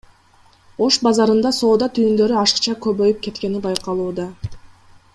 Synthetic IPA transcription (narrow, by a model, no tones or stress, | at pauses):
o̞ʃbɑzɑɾɯnd̪ɑso̞ːd̪ɑt̪ʰyjynd̪ø̞ɾyɑʃɯ̥qt͡ʃɑkøβø̞jyp̚ke̞t̪ke̞nibɑjqɑlˠuːd̪ɑ